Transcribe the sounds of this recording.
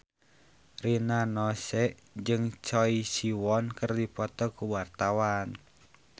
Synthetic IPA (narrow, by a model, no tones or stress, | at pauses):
rinanɔsɛʔ | d͡ʒɨŋt͡ʃɔisiwɔnkɨrdipɔt̪ɔkuwart̪awan